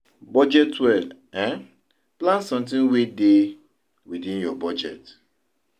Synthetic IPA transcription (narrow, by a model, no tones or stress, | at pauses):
bɔd͡ʒɛtwɛl | ɛ̃n | plãnsɔ̃mtĩnwide | widĩnjɔbɔd͡ʒɛt